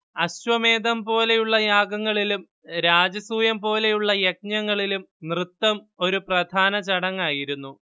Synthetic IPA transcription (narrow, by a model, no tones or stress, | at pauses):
ɐɕʋɐme̞ːd̪ɐmpo̞ːle̞juɭːɐjaːɡɐŋːɐɭilum | ɾaːd͡ʑɐsuːjɐmpo̞ːle̞juɭːɐjek̚ɲɐŋːɐɭilumnrɨt̪ːɐm | o̞ɾuprɐd̪ʱaːnɐt͡ɕɐɽɐŋːaːjiɾunːu